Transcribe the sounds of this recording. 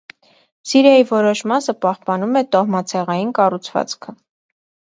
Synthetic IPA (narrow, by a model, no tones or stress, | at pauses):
siɾjɑjivɔɾɔʃmɑsəpɑhpɑnumɛt̪ɔhmɑt͡sʰɛʁɑjinkɑrut͡sʰvɑ̰t͡skʰə